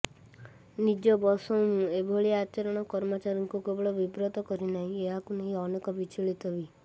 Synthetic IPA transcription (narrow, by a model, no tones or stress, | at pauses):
nid͡ʒɔbɔsɔũmũebʱoɭiat͡ʃeɾɔɽ̃ɔkɔɾmɔt͡ʃaɾiŋkukebɔɭɔbibɾɔt̪ɔkɔɾinaɦĩeɦakuneɦĩɔnekɔbit͡ʃiɭit̪ɔbi